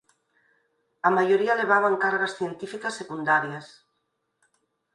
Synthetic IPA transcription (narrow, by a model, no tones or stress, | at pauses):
amajoɾialeβ̞aβ̞aŋkaɾɣasθjent̪ifikasːekund̪aɾjas